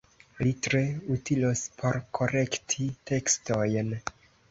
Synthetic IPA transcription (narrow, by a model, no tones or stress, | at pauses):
litɾe̞utilospʰo̞ɾkʰo̞ɾe̞ktʰite̞ksto̞jn